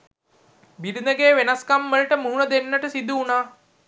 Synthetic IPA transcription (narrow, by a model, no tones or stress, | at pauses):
biɾinəɡeːʋenaskamːəɭʈəmuɦunəd̪enːəʈəsid̪uːnaː